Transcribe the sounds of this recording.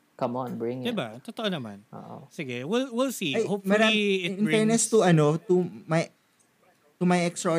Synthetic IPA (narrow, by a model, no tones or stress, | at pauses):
kɐmɔ̃nbɹɪ̃ŋɪd̪ɪbat̪ot̪ɐʔonɐma̰nʔo̰ːʔo̰sɪɡɛwilwilsiɐjhopfmɐɾaɪɪnpɛnɛst̪ʊʔɐnot̪umɐj | t̪ʊmɐjʔɛkst̪ɾɐ